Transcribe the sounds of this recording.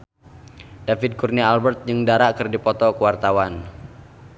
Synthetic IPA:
d̥afɪd̪̚kurnialbɛrt̪̚jɨŋdaɾakɨrdipɔt̪ɔkəwart̪awan

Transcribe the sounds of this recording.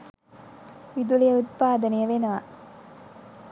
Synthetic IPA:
ʋid̪ulijɐut̪̚paːd̪ɐnijɐʋenɐʋa̰

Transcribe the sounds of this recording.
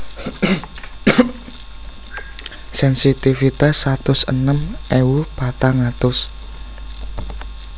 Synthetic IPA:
sɛnsit̪ifit̪asːat̪ʊsə̰nəmʔɛwupat̪aŋat̪ʊs

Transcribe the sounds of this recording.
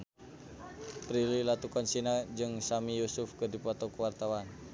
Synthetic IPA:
pɾililat̪ukɔnsinad͡ʒɨŋsamijusʊfkədipɔt̪ɔkəwart̪awan

